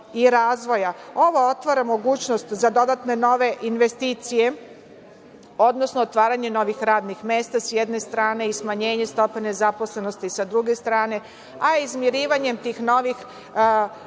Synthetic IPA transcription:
iɾaːzʋo̞jao̞ʋoo̞t̪ʋaɾamo̞ɡuːt͡ɕno̞st̪zad̪o̞d̪at̪ne̞no̞ʋe̞ʔinʋe̞st̪iːt̪sije̞ | o̞d̪no̞snoːt̪ʋaːɾaɲe̞no̞ʋixɾaːd̪nixme̞ːst̪asjed̪ne̞st̪ɾaːne̞ismaɲe̞ːɲe̞st̪o̞pene̞zaposle̞no̞st̪isad̪ɾuɡe̞st̪ɾaːne̞ | aizmjeɾiːʋaɲe̞mt̪iːxno̞ʋix

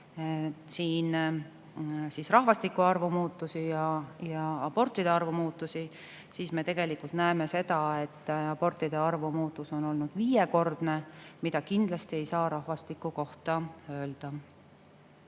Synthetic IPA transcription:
siːn | siːsrɑɦvɑst̪ikːuɑrvumuːt̪ːˑusijɑjɑɑb̥o̞rt̪ːˑid̪̥eɑrvumuːt̪ːˑusi | siːsme̞t̪e̞ɡ̥e̞likult̪næeme̞se̞d̪̥ɑe̞t̪ːɑb̥o̞rt̪ˑid̪̥e̞ɑrvumuːt̪ːˑuso̞no̞lnud̪̥viːjeko̞rd̪̥ne̞mid̪̥ɑkind̪̥lɑst̪ie̞jsɑːɾɑhvɑst̪ikːˑuko̞ht̪ɑø̞ːld̪̥ɑ

